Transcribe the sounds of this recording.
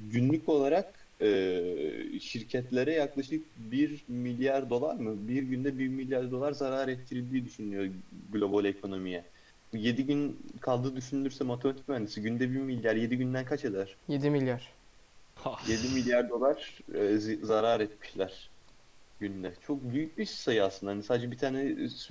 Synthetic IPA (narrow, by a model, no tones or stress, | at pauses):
ɟynlʲyco̞lˠaɾak | ɯː | ʃiɾcʰɛt̪lʲe̞ɾɛjaklˠaʃɯk̚biɾmilʲjaɾd̪o̞lˠa̰ɾmɯbiɾɟynd̪ɛbiɾmilʲjaɾd̪o̞lˠaɾzaɾaːɾɛt̪ʰːiɾilʲd̪iːd̪yʃynyjo̞ɡlʲo̞bo̞lʲe̞kʰo̞no̞mijɛ | je̞d̪iɟynkʰalˠd̪ɯːd̪yʃynylʲyɾsɛmot̪ʰe̞mat̪ʰi̥cmænd̪isiɟynd̪ɛbimilʲjaɾje̞d̪iɟynd̪ænkʰat͡ʃe̞d̪æɾ̥jed̪imilʲjaɾ̥ | hje̞d̪imilʲjaɾd̪o̞lˠaɾ̥ | zaɾaːɾɛt̪mi̥ʃlʲæɾ̥ | ɟ̥ynlʲɛt͡ʃʰo̞k̚byjyc̚biʃsajɯaslˠɯnd̪ahanisaːd̪ed͡ʒɛbit̪ʰaːnɛ